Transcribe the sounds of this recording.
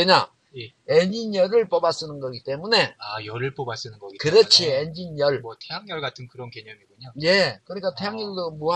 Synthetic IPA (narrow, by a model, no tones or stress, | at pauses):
eɲa | eɲinjʌɾɯɭp͈obas͈ɯnɯnɡʌɡit͈e̞mune̞ajʌɾɯɭp͈obas͈ɯnɯnɡʌɡikɯɾʌt͡ɕʰiend͡ʑinjʌɭmʌtʰeɦaŋɲʌɭɡatʰɯnkɯɾʌnkeɲʌmiɡoɲoje̞kɯɾik͈atʰeɦaŋɲʌɾdomua